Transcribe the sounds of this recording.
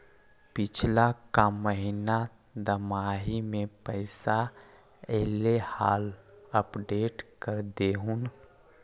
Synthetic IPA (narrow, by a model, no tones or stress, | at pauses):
pɪt͡ʃʰlakaməɦina | d̪əmaːɦimẽpəɪsa | ɛːlehaːləpɖeːʈkəɾd̪eːɦun